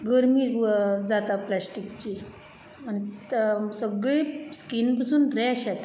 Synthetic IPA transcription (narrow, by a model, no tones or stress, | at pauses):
ɡəɾmiːd͡zat̪aplasʈikt͡ɕiː | ant̪səɡɭeskinpasuːnɾɛɕat̪